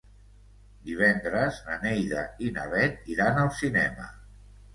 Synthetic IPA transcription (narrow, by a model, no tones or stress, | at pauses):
d̪iβ̞ɛnd̪ɾəznənejðəinəβɛt̪̚iɾanəlˠsinɛmə̰